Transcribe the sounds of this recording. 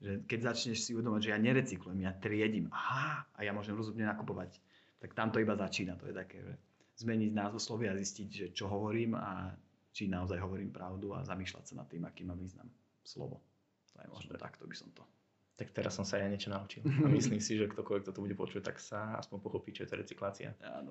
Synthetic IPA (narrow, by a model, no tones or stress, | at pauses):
ʒɛkɛɟzat͡ʃɲɛʃsiuʋɛd̪ɔmaɟʒɛjaɲɛɾɛt͡siklujɛmjat̪ɾɪɛɟimahaa̰jamʊɔʒɛmɾɔzumɲɛnakupɔʋac | t̪akt̪amt̪ɔibazat͡ʃiːnat̪ɔjɛt̪akɛ̰ːʒɛ̰ | zmɛɲiɟnaːzɔʊslɔʋiazisciɟʒɛt͡ʃɔɦɔʋɔɾiːma̰ | t͡ʃinaɔzajɦɔʋɔɾiːmpɾaʊd̪ua̰zamiːʃla̰csana̰t̪ːiːmakiːmːamʋiːzna̰m | slɔ̰ʋɔ̰ | t̪ɔjɛ̰mɔ̰ʒnɛ̰t̪a̰kt̪ɔbisɔmt̪ɔ | t̪akt̪ɛɾasːɔmsaajaɲɪɛt͡ʃɔnaut͡ʃilamislimsiʒɛkt̪ɔkɔlʋɛkt̪ɔt̪ɔbuɟɛpɔt͡ʃuc̚t̪a̰ksaa̰spɔɲpɔxɔpit͡ʃɔjɛt̪ɔɾɛ̰t͡siklaːt͡sḭa̰a̰ːnɔ